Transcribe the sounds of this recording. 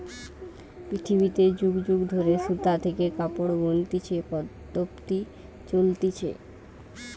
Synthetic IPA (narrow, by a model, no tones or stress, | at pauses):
pɾit̪ʰibit̪ed͡ʑuɡd͡ʑuɡd̪ʱoɾeʃut̪at̪ʰekekapoɽɡont̪it͡ɕʰepɔd̪opt̪i | t͡ɕolt̪it͡ɕʰḛ